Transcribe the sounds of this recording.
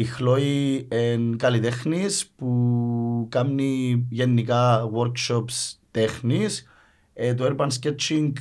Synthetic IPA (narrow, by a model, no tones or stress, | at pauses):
ixloienkalit̪exnispu | kamnijenːikawoɾkʃopst̪exnis | et̪oeɾpans̬ket͡ʃiŋk